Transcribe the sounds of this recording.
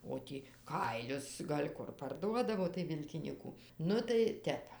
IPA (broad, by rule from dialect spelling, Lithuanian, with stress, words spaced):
oː ˈtʲiː ˈkɐɪlʲʊs ɡɐlʲ ˈkʊr pɐrˈduɔdɐʋoː tɐɪ ˈʋʲɪlʲkʲɪnʲiːkʊ ˈnʊ tɐɪ ˈtʲɛp